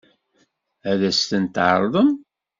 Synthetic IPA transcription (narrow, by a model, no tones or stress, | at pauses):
æðæst̪ənt̪ʕə̰ɾˤðˤəm